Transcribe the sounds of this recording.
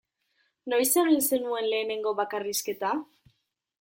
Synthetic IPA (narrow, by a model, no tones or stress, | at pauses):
no̞jseβilse̞nue̞nle̞ːne̞ŋɡo̞βakariske̞t̪a